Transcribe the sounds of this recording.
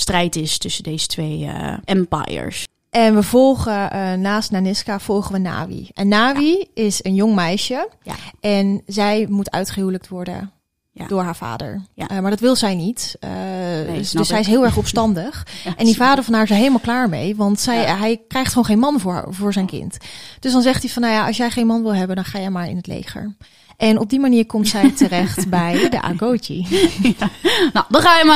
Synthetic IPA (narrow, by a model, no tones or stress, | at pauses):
strɛjtɪstɵsədejzətʋejʔɛmpa̰jə̰ɹs | ʔɛnʋəvɔlˠχənaːstnanɪskav̥ɔlˠχəʋəna̰ːʋḭʔɛnːaːʋiɪsənjʊŋmɛjʃəʔɛnzɛjmutʰœ̰ɥtχəɦuwlək̚tʋɔɹdə̰n | d̥ʊːɹɦaːɹva̰ːdə̰ɹmaːɹdɑtʋɪlˠzɛjnitə | sɛjɪs̬ɦɪːlˠɛɹχɔpstɑndəχʔɛndivaːdəɹvɑnɦaːɹzɛjɦejləmalˠklaːɹmḛjʋɑntsɛjɦɛjkrɛjχtχownχejnmɑnvʊ̰ːvʊːɹzɛjnkɪ̰ntd̥ɵsdɑnzɛχtifɑnːawjaːʔɑsjɛjχejnmɑnʋɪlˠɦɛbəndɑnχaːjɛjmaːɹɪ̰nɦətlḛjχə̰ɹ | ʔɛnɔb̚dimaniːɹkɔmtsɛjtəɾɛχtbɛjdə̰ʔa̰ːɡowt͡ʃḭ | nodɑχaːjəma